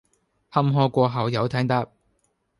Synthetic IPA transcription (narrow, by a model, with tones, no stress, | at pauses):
hɐ˥mɦɔː˥kʷɔː˧ɦɐ˨˩wjɐ˨˧wt̪ʰɛː˥ŋt̪ɐ˥p̚